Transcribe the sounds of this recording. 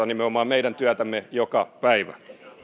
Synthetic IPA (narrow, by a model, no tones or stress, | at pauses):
ɑnimeomɑːmmeidænt̪yæt̪æmːejokɑpæiʋæ̰